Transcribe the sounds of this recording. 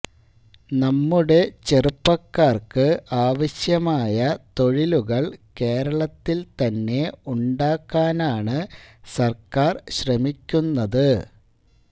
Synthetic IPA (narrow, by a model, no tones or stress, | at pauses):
nɐmːuɽe̞t͡ɕe̞rupːɐkːaːrkɨʔaːʋɐɕjɐmaːjɐt̪o̞ɻiluɣɐɭke̞ːɾɐɭɐt̪ːilt̪ɐnːe̞uɳɖaːkːaːnaːɳɨsɐrkaːrɕrɐmikʲːunːɐðɨ